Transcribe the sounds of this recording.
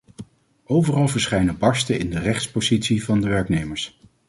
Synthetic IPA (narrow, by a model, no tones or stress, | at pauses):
ʔowvərɑlˠvəɹsχɛjnəbɑɹstəɪndərɛχtspozitsivɑndəʋɛɹknejməɹs